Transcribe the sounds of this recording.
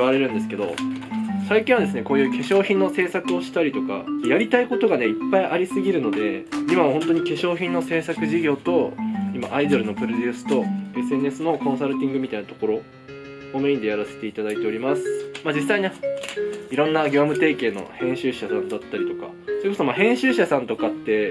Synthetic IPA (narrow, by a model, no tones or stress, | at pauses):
aɾe̞ɾɯ̟nd̪e̞sɨ̥ke̞d̪o̞̰saikʲĩɰ̃adesɨne̞ko̞ːjɯ̟ːke̞ɕo̞ːçĩnːo̞se̞ːsakɯ̟o̞ɕi̥t̪aɾʲit̪o̞ka̰jaɾʲit̪aiko̞t̪o̞ɡane̞ipːaiʔaɾʲisɨɡʲiɾɯ̟no̞d̪e̞imamɦõ̞nt̪o̞ɲ̟ike̞ɕo̞ːçĩnːo̞se̞ːsakɯ̟ʑiɡʲo̞ːt̪o̞ima̰ʔaid̪o̞ɾɯ̟no̞pɯ̟ɾo̞d̪ʲɨːsɨ̥t̪o̞e̞sɨe̞ne̞sɨno̞kõ̞ɰ̃s̬aɾɯ̟t̪ʲĩŋɡɯ̟mʲit̪ainat̪oko̞ɾo̞ː | meiɲd̪ejaɾase̞̥t̪e̞it̪ad̪ait̪e̞o̞ɾʲimasɨ̥maːd͡ʑisːaine | iɾõ̞nːaɡʲo̞ːmɯ̟t̪e̞ːke̞ːno̞̰hẽ̞ɰ̃ɕɨːɕasãnd̪at̪ːaɾʲit̪o̞ka̰ | sojɨkosomaːhẽ̞ɰ̃ɕɨːɕasãnt̪o̞kat̪ːe̞